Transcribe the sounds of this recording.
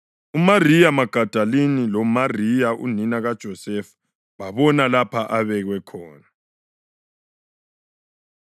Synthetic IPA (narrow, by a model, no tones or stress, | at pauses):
umarijamaɡ̥ʱad̥ʱalinilɔmarijaʔṵninaɣad̥ʒ̥ʱɔsɛfu̥ | βaβɔnalapʰaʔaβɛɣwɛkʰɔːna